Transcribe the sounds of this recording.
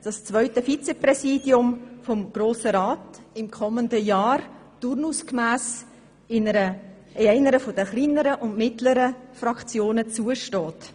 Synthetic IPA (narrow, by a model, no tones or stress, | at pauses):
d̥ɑst͡svœʏtəfit͡sɛprɛsiːdjʊmfɔmɡ̥roːsəɾaːtɪmkʰɔməndəjaːɾtʊɾnuskmæːs | ɪnəɾə | ɛɪnəɾəfodəχliːnəɾəʔʊntmɪtləɾəfrɑkt͡sjoːnət͡suəʃtɔːt